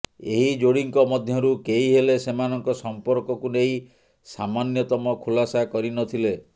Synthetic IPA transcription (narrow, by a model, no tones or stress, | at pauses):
eɦid͡ʒoɽiŋkɔmɔd̪ʱjɔɾukeiɦelesemanɔŋkɔsɔmpɔɾkɔkunei | samanjɔt̪ɔmɔkʰulasakɔɾinɔt̪ʰile